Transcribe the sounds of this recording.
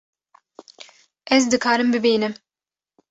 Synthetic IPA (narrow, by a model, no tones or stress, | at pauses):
ʔɛzd̪ɨkʰaːɾɨmbɨbeːnɨm